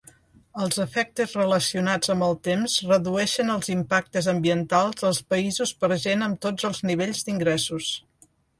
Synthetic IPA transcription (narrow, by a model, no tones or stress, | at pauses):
əlˠzəfɛk̚t̪əzrələsiunad͡zəmbəlˠt̪emzrəðuɛʃənəlˠzimpak̚t̪əzəmbiənt̪alˠzðəlˠspəizuspəɾʒenəmt̪od͡zəlˠzniβ̞eʎzd̪iŋɡɾɛsus